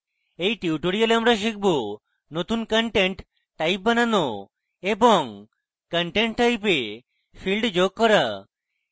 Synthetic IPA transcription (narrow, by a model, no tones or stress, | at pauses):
ejʈiuʈoɽijaleamɾaʃ̬ik̚bo | not̪unkəɳʈeɳʈː | ajp̚banano | ebɔŋ | kəɳʈeɳʈʈajpe | pʰilɖd͡ʒoɡ̚ːɔɾa